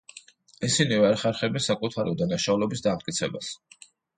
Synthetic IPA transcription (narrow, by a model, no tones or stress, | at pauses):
isinivɛɾχɛɾχɛbɛnsakʼut̪ʰaɾiɔd̪anaʃaulɛbisd̪amt̪̚ʼkʼit̪sʰɛbas